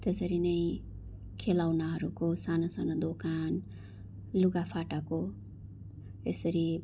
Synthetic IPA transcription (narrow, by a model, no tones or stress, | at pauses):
t̪esʌɾinʌj | kʰelawnaɦʌɾukosanʌsanʌd̪okan | luɡapʰaʈako | esʌɾi